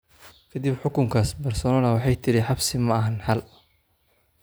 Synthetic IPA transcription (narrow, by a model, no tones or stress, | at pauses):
kʰɐd̪ibħʊkʊŋkʰaːsbɐrsɔːnɔlɐwɑħɑjt̪ʰɪɾɪħɑbsɪmɐɐɦɐnhɐl